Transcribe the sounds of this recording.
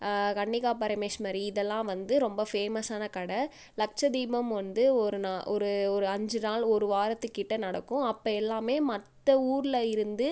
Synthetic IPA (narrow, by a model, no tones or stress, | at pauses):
kɐɳːɪkaːpɐɾɐmeːʂmɐːɾiɪðɛlːãːʋɐnd̪ɯɾɔmbɐfeːmɐsaːnɐkɐɽɐ | lɐk̚t͡ʃɐd̪iːmɐmʋɐnd̪ɯɔɾɯnaːʔɔɾɯɔɾɯɐɲd͡ʒɯnaːlɔɾɯʋaːɾɐt̪ːɯkːɪʈːɐnɐɽɐkːʊ̃ɐpːɐɛlːaːmeːmɐt̪ːɐuːɾɪlɐɪɾɯnd̪ɯ